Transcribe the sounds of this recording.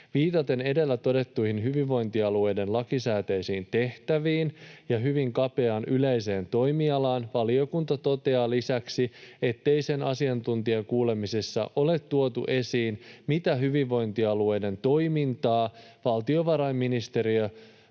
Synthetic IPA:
ʋiːt̪ɑt̪e̞ne̞de̞lːæt̪o̞de̞t̪ːujhinɦyʋiʋʋːo̞jnt̪iɑlue̞jde̞nlɑkisæːt̪e̞jsiːnt̪e̞ht̪æʋiːnjɑɦyʋiŋkɑpe̞ɑnyle̞jse̞ːnt̪o̞jmiɑlɑːnʋɑlio̞kunt̪ɑt̪o̞t̪e̞ɑːlisæksie̞t̪ːe̞jse̞nɑ̰siɑnt̪unt̪ieŋkuːle̞misesːɑ̰ʔo̞le̞t̪ːuo̞t̪ṵʔe̞siːnmit̪æɦyʋiʋːo̞jnt̪iɑlue̞jde̞nt̪o̞jmint̪ɑː | ʋɑlt̪io̞ʋɑɾɑjmːinist̪e̞ɾiø

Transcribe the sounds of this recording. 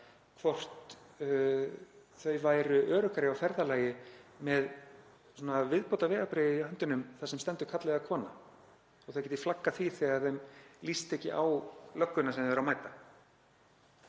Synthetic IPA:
kʰvɔr̥t̪ | θœɥvaːjɾʏʔœːɾʏkaɾɪawfɛɾðalaːjɪmɛð | sɔːnavɪðpowt̪avɛːɣapɾeːjɪiɦœnt̪ʏnʏmθasɛmst̪ɛnt̪ʏ̥kʰat̪lɛɣakʰvɔːna | ɔɣθʏjcɛt̪ɪ̥flakːaθviθɛɣaɾθœɥmlist̪ɛcɪ̰ʔawlœkːʏnasɛmvɛɾawmaːjt̪a

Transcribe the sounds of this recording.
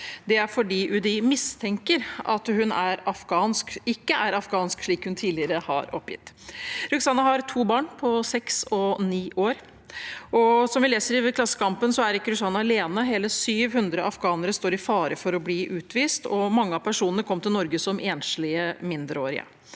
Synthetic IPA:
d̪ɛæɾfɔɖiːʔʉd̪ɪmɪst̪ʰɛŋkəɾʔɑ̰t̪hʉnæɾɑfɡɑːnskɪkːəʔæɾɑfɡɑːnskʂɭiːkhʉnt̪ʰiːd̪lɪəɾəhɑ̰ɾɔpːjɪ̰t̪ːɾʉksɑnːɑɦɑɾt̪ʰuːbɑːɳpʰɔsɛksɔniːʔoːɾ | ʔɔsɔmʋɪleːsəɾiʋkʰlɑsːə̥kɑmpənsɔæɾɪkːəɾʉsɑnɑɑleːnəɦeːləsyːʋhʉnd̪ɾəʔɑfɡɑːnəɾəst̪oːɾɪfɑːɾəfɔɾɔbliːʔʉːt̪ʋiːst̪ʰɔmɑŋːəɑpʰæʂuːnənəkʰɔmt̪ʰɪlnɔɾɡəsɔmʔeːnʂlɪəmɪnd̪ɾəoːɾɪ̰ə̰

